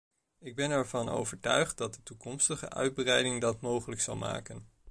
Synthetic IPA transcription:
ɪɡ̚bɛnɛɹvɑno̰wvəɹtœ̰ɥχt̚dɑt̚dətukɔmstəχə̰ʔœ̰ɥd̚brɛjdɪŋdɑtmowχələksɑ̰lˠma̰ːkən

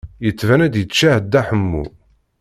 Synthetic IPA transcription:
jət͡sːvænæd̪jət͡ʃːæhəd̪ːæħəmːṵ

